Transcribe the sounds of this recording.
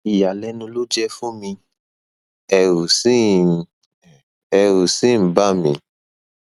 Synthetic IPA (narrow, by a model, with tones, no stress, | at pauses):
i˨ja˨lɛ˨˦nũ˧lo˦d͡ʒɛ˦fũ˦mĩ˧ | ɛ˧ɾu˨si˦ | ɛ˧ɾu˨sĩ˦˨ba˦˨mĩ˧